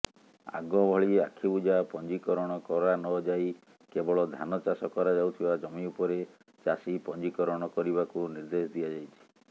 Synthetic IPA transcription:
a̰ɡɔbʱɔɭiakʰibud͡ʒapɔnd͡ʒikɔɾɔɽ̃ɔkɔɾanɔd͡ʒaij | kebɔɭɔd̪ʱanɔt͡ʃasɔkɔɾad͡ʒawt̪ʰibad͡ʒɔmiupɔɾe | t͡ʃasipɔnd͡ʒikɔɾɔɽ̃ɔkɔɾibakuniɾd̪esɔd̪ijad͡ʒajt͡ʃʰi̥

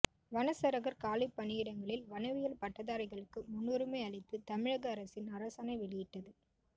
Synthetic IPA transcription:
ʋɐnɐsɐɾɐɣɐɾkaːlɪpːɐnɪjɪɽɐŋɡɐɭɪlʋɐnɐʋɪjɐlpɐʈːɐðaːɾɐɪɣɐɭɯkːɯmʊnːuɾɯmeɪɐɭɪt̪ːɯt̪ɐmɪɻɐɣɐːɾɐsɪnɐɾɐsaːnɐɪʋɛɭɪjɪʈːɐðɯ

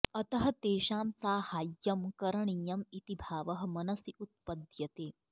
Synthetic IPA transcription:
ɐt̪ɐɦɐ̆t̪eːʃaːmsaːhaːjːɐmkɐɾɐɳijɐmit̪ibʱaːʋɐɦɐ̆mɐnɐsiʔut̪̚pɐd̪jɐt̪eː

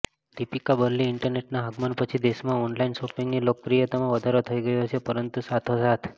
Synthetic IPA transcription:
d̪̥ipikabəɾliːɳʈəɾneʈnaɦəɡmənpət͡ʃʰid̪esmãɔnlainʃopiŋɡnilok̚pɾijət̪amãʋəd̪ʱaɾot̪ʰəiɡəjoɦəsepəɾənt̪usat̪ʰosat̪ʰ

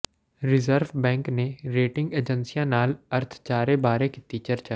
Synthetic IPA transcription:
ɾɪzəɾʋbɛ̃ːŋkneɾeːʈɪ̃ŋɡeːd͡ʒə̃nsijãnaːlɐɾt̪ʰt͡ʃaːɾebaːɾekit̪it͡ʃɐɾt͡ʃa

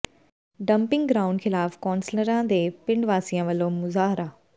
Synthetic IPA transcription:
ɖɐ̃mpɪ̃ŋɡɡɾaːʊ̃ɳɖxɪlaːfkɔ̃ːnsləɾãd̪eːpɪ̃ɳɖʋaːsijãʋɐlomʊzaːɦɾa

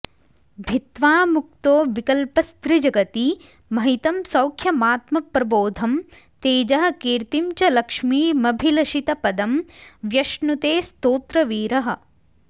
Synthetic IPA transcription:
bʱit̪ʋaːmuk̚t̪oːʋikɐlpɐst̪ɾid͡ʒɐɡɐt̪i | mɐɦit̪ɐmsɐwkʰjɐmaːt̪mɐpɾɐboːd̪ʱɐm | t̪eːd͡ʒɐɦɐ̆kiːɾt̪imt͡ʃɐlɐkʂmiːmɐbʱilɐʃit̪ɐpɐd̪ɐmʋjɐʃnut̪eːst̪oːt̪ɾɐʋiːɾɐɦɐ̆

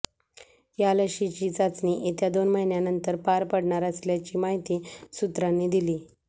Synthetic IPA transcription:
jaləɕit͡ɕiːd͡zat͡sniʔit̪jad̪onməɦinjanənt̪əɾpaɾpəɽɳaɾəsljat͡ɕiːmaɦit̪iːsut̪ɾanːiːd̪iliː

